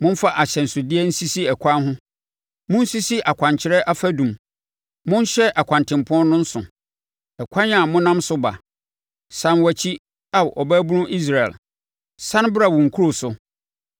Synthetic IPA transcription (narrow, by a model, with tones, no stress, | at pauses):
mʊ̃˦n˦fa˦ʔa˨ɕɛ˨n̩˨sʊ˨dɪ˦ɛ˦n̩˦si˦si˦ɛ˨kʷʰã˦nɦʊ̃˦ | mʊ̃˦n̩˦si˦si˦ʔa˨kʷʰã˨ɲt͡ɕʰɪ˨ɾɛ˦ʔa˦fæ˦dũ˨m | mʊ̃˦n˦ɕɛ˦ʔa˨kʷʰã˨ntʰɪ̃˨m˨pʰɔ˦nnːʊ̃˦n̩˦sʊ̰˨ | ɛ˨kʷʰã˦na˨mʊ̃˦nã˦msʊ˦ba̰˨ | sã˨nwa˨t͡ɕʰi˦ | a˨wʔɔ˨bæ˦bu˦nʊ̃˦ʔi˦s̬ɾa˨ɛ̰˨l | sã˦n˦bɾa˨wʊ˨ŋ̩˨kʰu˦ɾo˨sʊ˨